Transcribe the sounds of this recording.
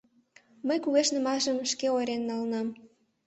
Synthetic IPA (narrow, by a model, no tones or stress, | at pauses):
məjkuɣeʃnə̆mɑʒəmʃkeojɾenːɑlənɑm